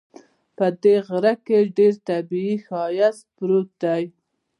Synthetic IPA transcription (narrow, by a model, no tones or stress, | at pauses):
pəd̪eɣɾakeɖeɾt̪abiixɑjaspɾot̪̚d̪aj